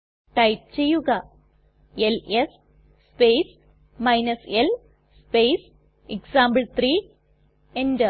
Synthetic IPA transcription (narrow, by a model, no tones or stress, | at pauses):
ʈɐjp̚t͡ɕejːuɣɐ | eles | spejs | mɐjnɐsel | spejs | eksaːmbɐɭt̪riː | endɨ